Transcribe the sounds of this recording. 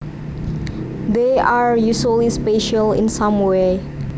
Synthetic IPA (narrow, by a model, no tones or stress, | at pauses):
d̪eʔaɹjusəlispeʃəlɪ̰̃nsãmwe